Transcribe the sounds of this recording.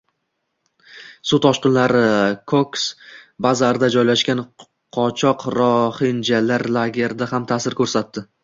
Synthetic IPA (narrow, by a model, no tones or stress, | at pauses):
sut̪ʰɒʃqɨnlaɾɪkʰoksbazaɾd̪ad͡ʒɒjlaʃkʲan | qʰɒt͡ʃʰɒqɾɒhɪnd͡ʒalːaɾlaɡʲe̞ɾd̪ahamt̪ʰaːsɪɾkʰɵɾsat̪ːɪ